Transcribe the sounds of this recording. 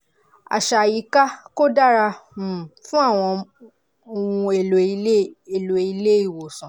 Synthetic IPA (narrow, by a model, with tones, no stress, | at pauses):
a̰˨ʃa˨ji˨˦ka˦ko˦da˦˨ɾa˧ũ˨fũ˦a˦˨w̃ɔ̃˧ | o˦˧ũ˧e˨lo˨i˧˦e˨lo˨i˧le˦i˦˨wo˨sɔ̃˨